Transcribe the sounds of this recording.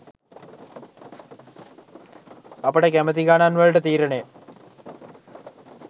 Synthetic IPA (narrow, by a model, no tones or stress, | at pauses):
ɐpɐɽekemɐðikaːnaːnʋɐɻɽet̪iːɾɐɳeː